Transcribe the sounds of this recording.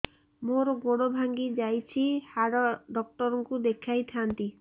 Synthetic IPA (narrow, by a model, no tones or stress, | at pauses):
moɾɔɡoɽobʱaŋɡid͡ʒajt͡ʃʰihaɽɔɖɔk̚ʈɔɾɔŋkud̪ekʰajt̪ʰant̪i